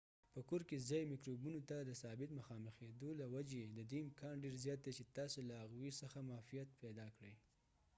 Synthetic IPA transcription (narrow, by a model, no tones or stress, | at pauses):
pəkoɾkezɑjmikɾobunot̪ad̪əsɑbɪt̪məxɑməxed̪olawad͡ʒed̪əd̪eɪmkɑnɖeɾzjɑt̪̚d̪et͡ʃet̪ɑsolaːɣwisəxamɑfijat̪̚pɛd̪ɑkɽəj